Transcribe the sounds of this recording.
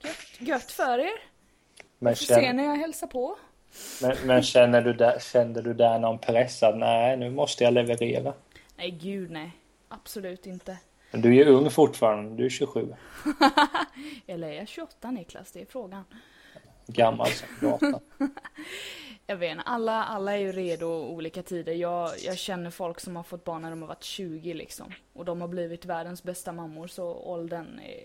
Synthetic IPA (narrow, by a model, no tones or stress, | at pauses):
ɡ̥œt̪ːɡœt̪ːfœɾeːɾ | mɛnɛeːnːəjɑɦɛlsapʰɔ | mɛnmɛnɕɛnːəɖɵd̪æɕɛnːəɖɵd̪ænɔnpʰɾɛsːat̪nænʉ̟ːmɔst̪əjalɛvəɾeːɾa | nɛɪɡʉ̟ːd̪nɛj | ʔab̥sɔlʉ̟ːt̪ɪnt̪ə | mɛnd̪ɵæjɵɵŋːfʊʈːfɑːɾand̪əd̪ɵæɾɕɵɧʉ̟̰ː | ɛlɛjaɕɵɔt̪ːanɪkla̰sd̪ɛɛːɾfɾoːɡan | ɡamːa̰lsɔ | jɑveːnalːaʔalːaɛɾjɵɾeːd̪ʊuːliːkat̪ʰiːd̪əɾjɑːɡjɑ̰ːɡɕɛnːəɾfɔlksɔmhaɾfɔt̪ːbɑːɳːæɖɔmhaɾva̰ʈːɕʉ̟ːɡɪlɪ̰ksɔ̰m | ʔɔd̪ɔmhabliːvɪt̪væːɖənsbɛst̪amamːʊɾsɔɔ̰ld̪ən